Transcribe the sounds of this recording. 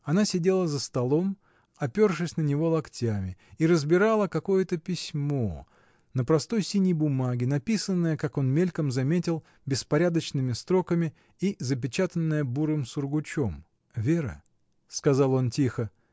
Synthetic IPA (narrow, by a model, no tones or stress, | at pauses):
ɐnasʲɪdʲe̞lˠəzəst̪ɐlˠo̞m | ɐpʲo̞rʂɨsʲnənʲɪvo̞lˠɐktʲamʲɪiɾəzbʲɪɾalˠəkɐko̞jət̪əpʲɪsʲmo̞̰ | nəpɾɐst̪o̞jsʲinʲɪjbʊmaɡʲɪnɐpʲisənːəjəkako̞nmʲelʲkəmzɐmʲetʲɪlˠ | bʲɪspɐɾʲad̪ət͡ɕnɨmʲɪst̪ɾo̞kəmʲɪ | izəp̬ʲɪt͡ɕat̪ənːəjəbuɾɨmsʊrɡʊt͡ɕom | vʲe̞ɾə̰ | skɐzalˠo̞ntʲixə